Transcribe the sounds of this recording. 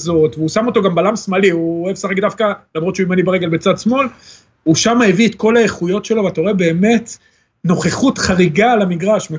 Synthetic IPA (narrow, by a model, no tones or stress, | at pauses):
zo̞t̪veusamo̞t̪o̞ɡambalamsmaliuoevsaχakd̪afkalamʁot̪ʃeuimanibaʁeɡe̞lbet͡sad̪smo̞l | uʃamaeviet̪ko̞laeχujo̞tʃe̞lo̞vato̞ʁebe̞ːme̞t̪ | no̞χeχutχaʁiɡalamiɡʁaʃme